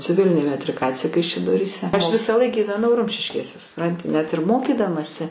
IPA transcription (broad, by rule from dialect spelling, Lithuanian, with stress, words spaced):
t͡sʲɪˈʋʲɪlʲɪnʲeː mʲɛtʲrʲɪˈkɑːt͡sʲɪjɛ kɐɪʃʲɛdoːrʲiːˈsʲɛ ˈɐʃ ʋʲɪsɑːˈlˠɐɪk ɡʲiːʋʲɛˈnɐʊ ˈrʊmʲʃʲɪʃʲkʲeːsʲɛ sʊˈprɐnʲtʲɪ ˈnʲɛt ɪr ˈmoːkʲiːdɐmɐsʲɪ